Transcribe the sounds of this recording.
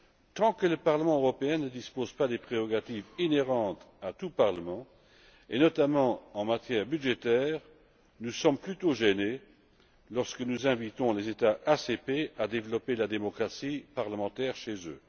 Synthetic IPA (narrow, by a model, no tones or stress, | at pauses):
t̪ɑ̃kələpaʁləmɑ̃øʁɔpeɛ̃nəd̪ispozpad̪epχeʁɔɡat̪ivineʁɑ̃t̪ | at̪upaʁləmɑ̃ | enɔt̪amɑ̃ɑ̃mat̪jɛːʁbyd̪ʒet̪ɛːʁ | nusɔmplyt̪oʒene | lɔʁskənuzɛ̃vit̪ɔ̃lezet̪aʔasepead̪evlɔpelad̪emɔkχasipaʁləmɑ̃t̪ɛʁʃezø